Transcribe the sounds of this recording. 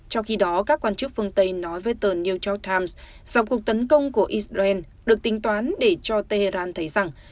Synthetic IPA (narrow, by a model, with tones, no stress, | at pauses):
t͡ɕɔ˧wŋ͡mxi˧ɗɔ˨˦kaː˦˥kːwaː˧nt͡ɕɨ˦˥k̚fɨ˧əŋt̪ə˧jnɔ˨˦jvəː˨˦jt̪əː˧˩ni˧wt͡ɕɔ˦˥k̚t̪ʰaː˧ms | z̥a˧˩wku˨˩ək̚t̪ə˨˦nkə˧wŋ͡mku˧˩əʔi˦˥szaː˧ʔɛ˧n | ɗɨ˨˩ək̚t̪ï˨˦ŋ̟t̪waː˨˦nɗe˧˩t͡ɕɔ˧t̪e˧he˧zaː˧nt̪ʰə˨˦jza˨˩ŋ